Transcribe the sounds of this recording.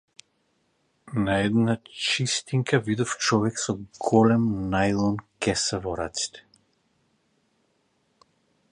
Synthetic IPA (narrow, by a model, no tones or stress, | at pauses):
naɛd̪nat͡ʃist̪iŋkavid̪ɔft͡ʃɔvɛksɔɡɔlɛmnajlˠɔnkʲɛsɛvɔɾa̰t̪si̥t̪ʰɛ̥